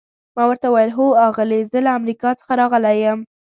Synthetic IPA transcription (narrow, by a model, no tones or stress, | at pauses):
mɑwəɾt̪awajəlɦoɑɣəlizəlaamɾikɑt͡sə̥xaɾɑɣəlajəm